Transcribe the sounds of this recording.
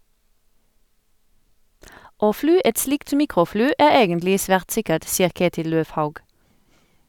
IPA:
ˈoː ˈflyː ˈɛt ˈslɪkt ˈmiːkʁʊˌflyː ˈæː ˈeːɡənlɪ ˈsʋæːʁt ˈsɪkəʈ ˈsiːəʁ ˈkeːtɪl ˈløːʋˌhɑʉɡ

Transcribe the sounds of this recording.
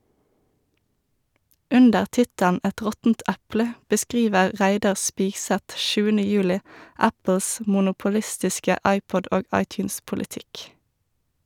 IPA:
ˈʉndəʁ ˈtɪtəln ˈʔæt ˈʁɔtn̩t ˈʔæplə bəˈskʁiːʋəʁ ˈʁæɪdɑʁ ˈspiːɡˌsɛt ˈʃʉːənə ˈjʉːlɪ ˈæpl̩s mʊnʊpʊˈlɪstɪskə ˈʔɑɪˌpɔd ˈʔoːɡ ˈʔɑɪˌtjʉːnspʊlɪˌtɪk

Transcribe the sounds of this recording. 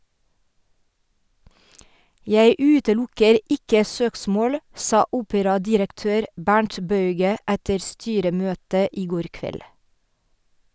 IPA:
ˈjæɪ ˈʉːtəˌlʊkəɾ ˈɪkə ˈsøːksmoːl ˈsɑː ˈuːpəɾɑdɪɾəkˌtøːɾ ˈbæɳʈ ˈbɑʉɡə ˈætə ˈstyːɾəˌmøːtə ˈiː ˈɡoːɾ ˈkʋɛl

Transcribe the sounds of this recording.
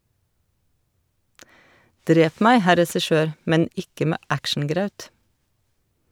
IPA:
ˈdɾeːp ˈmæɪ ˈhæ ɾɛsɪˈʃøːɾ ˈmɛn ˈɪkə ˈmeː ˈækʃn̩ˌɡɾɑʉt

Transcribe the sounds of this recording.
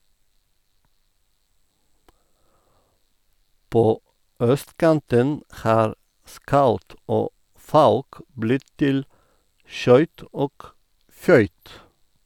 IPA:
ˈpoː ˈœstˌkɑntən ˈhɑːɾ ˈskɑʉt ˈoː ˈfɑʉk ˈblɪt ˈtɪl ˈʃœʏt ˈoːk ˈfœʏt

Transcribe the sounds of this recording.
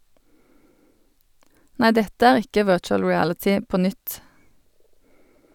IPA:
ˈnæɪ ˈdɛtə ˈæːʁ ˈɪkə ˈʋɜːt͡ʃəl ɹɪˈælətɪ ˈpoː ˈnʏt

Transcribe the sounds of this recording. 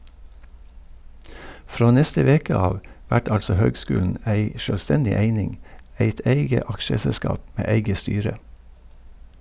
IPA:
ˈfɾoː ˈnɛstə ˈʋeːkə ˈɑːʋ ˈʋæʈ ˈɑlsɔ ˈhøːɡˌskʉːln̩ ˈæɪ ʃœlˈstɛndɪ ˈeɪnɪŋ ˈæɪt ˈʔæɪɡə ˈɑkʃəsɛˌskɑːp ˈmeː ˈæɪɡə ˈstyːɾə

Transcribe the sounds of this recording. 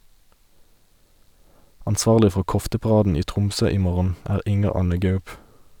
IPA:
ɑnˈsʋɑːʁlɪ ˈfɔ ˈkɔftəpɑˌʁɑːdn̩ ˈiː ˈtʁʊmˌsøː ˈiː ˈmoːʁən ˈæːʁ ˈɪŋəʁ ˈɑnə ˈɡɑʉp

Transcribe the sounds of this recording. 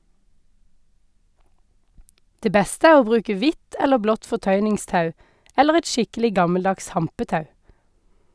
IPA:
ˈdeː ˈbɛstə ˈæː ˈoː ˈbʁʉːkə ˈʋɪt ˈɛləʁ ˈblɔt fɔˈtœʏnɪŋˌstɑʉ ˈɛləʁ ˈɛt ˈʃɪkəlɪ ˈɡɑməlˌdɑks ˈhɑmpəˌtɑʉ

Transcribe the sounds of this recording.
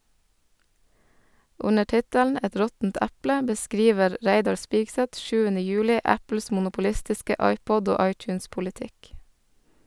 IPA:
ˈʊnə ˈʈɪtəln̩ ˈɛt ˈɾɔtn̩t ˈæplə bəˈskɾiːʋəɾ ˈɾæɪdɑɾ ˈspɪɡsɛt ˈʃʉːənə ˈjʉːlɪ ˈæpl̩s mʊnʊpʊˈlɪstɪskə ˈɑɪˌpɔd ˈoː ˈɑɪˌtjʉːnspʊlɪˌtɪk

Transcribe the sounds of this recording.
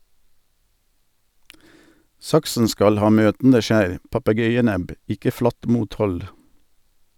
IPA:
ˈsɑksn̩ ˈskɑl ˈhɑː ˈmøːtn̩də ˈʃæːɾ pɑpəˈɡœʏəˌnɛb ˈɪkə ˈflɑt ˈmuːtˌhɔl

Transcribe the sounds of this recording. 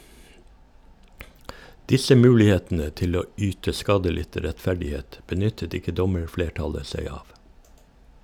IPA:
ˈdɪsə ˈmʉːlɪˌheːtn̩ə ˈtɪl ˈoː ˈyːtə ˈskɑːdəˌlɪtə ɾɛtˈfæɖɪˌheːt bəˈnʏtət ˈɪkə ˈdɔməɹˌfleːˌʈɑlə ˈsæɪ ˈɑːʋ

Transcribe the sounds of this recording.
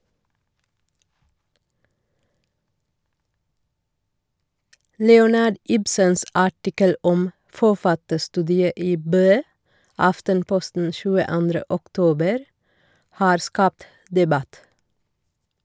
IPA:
ˈlɛʊnɑɖ ˈɪbsəns ˈɑʈɪkəl ˈɔm fɔˈfɑtəˌstʉːdɪə ˈiː ˈbøː ˈɑftənˌpɔstn̩ ʃʉːəˈɑndɾə ɔkˈtoːbəɾ ˈhɑːɾ ˈskɑːpt dɛˈbɑt

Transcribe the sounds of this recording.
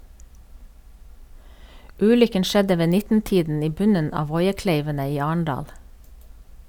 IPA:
ˈʉːlʏkən ˈʃɛdə ˈʋeː ˈnɪtn̩ˌtiːdn̩ ˈiː ˈbʉnən ˈɑː ˈʋɔʏəˌkleɪʋənə ˈiː ˈɑːɳ̩ˌɖɑːl

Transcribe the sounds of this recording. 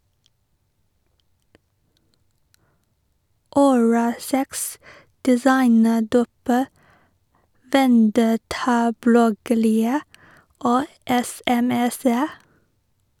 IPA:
ʊˈɹɑːlˌsɛks dɛˈsɑɪnəˌɖuːp ə ʋɛnˈdɛtɑˌblɔɡəɾɪə ˈoː ɛsɛˈmɛsə

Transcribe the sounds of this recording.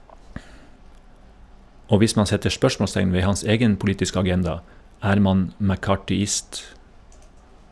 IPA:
ˈoː ˈʋɪs ˈmɑn ˈsɛtə ˈʃpœʃmɔˌstɛŋn ˈʋeː ˈhɑns ˈeːɡən pʊˈliːtɪsk ɑˈɡɛndɑ ˈæːɾ ˈmɑn mækɑːʈʏˈɪst

